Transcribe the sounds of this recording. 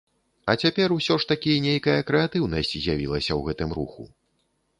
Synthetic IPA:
ɐt͡sʲapʲɛrusʲɔʂt̪akʲinʲejkɐjɐkɾɛat̪ɨwnɐsʲt͡sʲzʲjavʲilˠɐsʲɐwɣɛt̪ɨmɾṵxṵ

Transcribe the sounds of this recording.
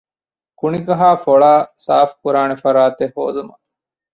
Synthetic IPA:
kuniɡɐɦaːfoɭaːsaːfkuɾaːnefɐɾaːt̪ehɦːo̰ːd̪umɐ

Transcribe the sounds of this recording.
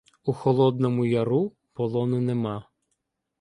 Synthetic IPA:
uxɔlˠɔd̪nɔmʊjɐɾu | pɔlˠɔnʊnemɑ

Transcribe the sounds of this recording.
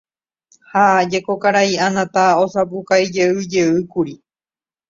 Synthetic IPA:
haad͡ʒe̞kokaɾaiãnãt̪aosapukaid͡ʒe̞ɨd͡ʒe̞ɨkuɾi

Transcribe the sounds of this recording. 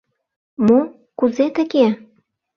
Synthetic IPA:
mo | kuzet̪ə̆ke

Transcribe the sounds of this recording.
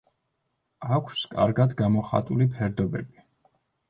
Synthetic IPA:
akʷʰskʼa̰ɾɡad̪ɡamɔχa̰t̪ʼulipʰɛɾd̪ɔbɛbi

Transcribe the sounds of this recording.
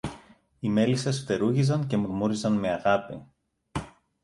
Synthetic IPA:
ime̞lisesft̪e̞ɾuʝizɐnce̞muɾmuɾizɐnme̞ɐɣɐpi

